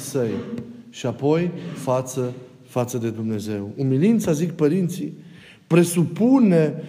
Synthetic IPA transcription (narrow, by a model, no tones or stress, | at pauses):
səjʃiapo̞jfat̪sə | fat̪səd̪e̞d̪umne̞ze̞wumilint̪sazik̚pəɾint̪si | pɾe̞supune̞